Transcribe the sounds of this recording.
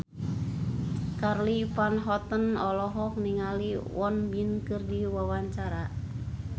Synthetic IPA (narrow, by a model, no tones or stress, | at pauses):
karlipanɦɔt̪ənɔlɔɦɔk̚niŋaliwɔnbinkɨrdiwawaɲt͡ʃaɾa